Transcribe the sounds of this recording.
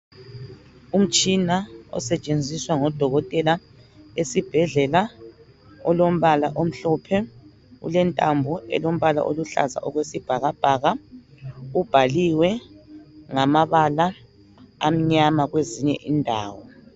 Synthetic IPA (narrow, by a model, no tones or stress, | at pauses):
um̩t͡ʃʼinaɔ̰sɛt͡ʃʼend͡zʱiswaŋɔd̥ʱɔɣɔtʼɛla | esib̥ʱɛɮɛla | ɔlom̩βalaʔom̩ɬɔpʰɛ | ṵlɛntʼambʱɔɛ̰lom̩βala̰ʔoluɬa̰za̰ʔɔɣwesib̥ʱaɣab̥ʱaːɣa | ub̥ʱaliwɛ | ŋamaβala | am̩ɲamaɣweziɲɛ̰ʔindʱa̰ːwɔ